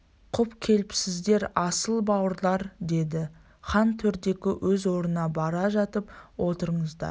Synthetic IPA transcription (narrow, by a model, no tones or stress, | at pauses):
qʰʊpkʲʰe̞lɪpsɪzd̪e̞ɾɑsəlˠbɑwəɾlˠɑɾd̪e̞d̪ɪ | χɑnt̪ʰɵɾd̪e̞kʲɪwʔɵzwo̞ɾənɑbɑɾɑʒɑt̪əpwʔo̞t̪əɾəɴəzd̪ɑ̰ɾ